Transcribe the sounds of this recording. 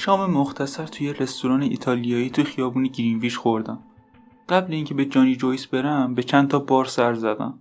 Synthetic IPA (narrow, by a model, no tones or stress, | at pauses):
ʃɒːmemoxt̪ʰæsæɾt̪ʰuje̞re̞st̪oɾɒːneʔḭːt̪ʰɒːlijɒːiːt̪ʰuexijɒːbuːneɟiɾinviːʃxo̞ɾd̪æm | ɢ̥æbleiːŋcʰebe̞d͡ʒɒːnid͡ʒojsbe̞ɾæmbe̞t͡ʃʰænt̪ʰɒːbɒːɾsæɾzæd̪æ̰m